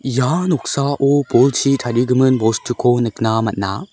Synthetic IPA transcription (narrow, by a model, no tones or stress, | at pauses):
janok̚saʔoboɭt͡ɕʰitʰaɾiɡɯmɯnbostʰɯkʰonɯk̚namat̚na̰